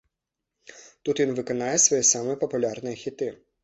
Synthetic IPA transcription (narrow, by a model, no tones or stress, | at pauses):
t̪ut̪ʋʲinʋɪkɔnɑjɛsʋɔjɛsɑmɛpɔpʊlʲɑrnɛxʲit̪ɪ